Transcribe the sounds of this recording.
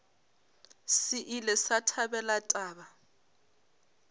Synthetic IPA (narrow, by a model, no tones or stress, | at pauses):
sɪʔilɛsatʰabɛlatʼaːba